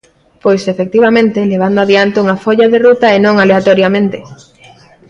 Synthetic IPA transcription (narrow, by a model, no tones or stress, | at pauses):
pojsefek̚t̪iβamẽnt̪eleβ̞and̪oaðjant̪euŋafoʎaðerut̪aenõŋaleat̪oɾjamẽnt̪e